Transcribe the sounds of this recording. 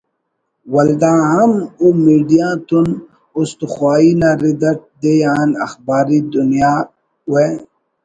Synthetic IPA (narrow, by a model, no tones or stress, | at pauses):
wɐld̪ãːɦɐmumiːɖijãːt̪un | ʊst̪uxwaːiːnaɾid̪ɐʈ̚d̪ejaːnɐ̰xbaːɾiːd̪ʊnijaː | we